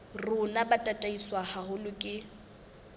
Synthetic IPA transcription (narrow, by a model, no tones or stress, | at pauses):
rʊnabatʼatʼaiswahahʊlʊkʼɪ